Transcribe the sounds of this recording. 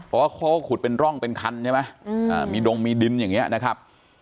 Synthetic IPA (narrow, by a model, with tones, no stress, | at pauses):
pʰɔː˨˩waː˥˩kʰoː˦˥kʰu˨˩t̪̚pe˧nɾɔ˥˩ŋpe˧nkʰa˧nt͡ɕʰma˦˥jʔaː˧˨˩miː˧do˧ŋmiː˧di˧njaː˨˩ŋːi˦˥ɐna˦˥kʰa˦˥p̚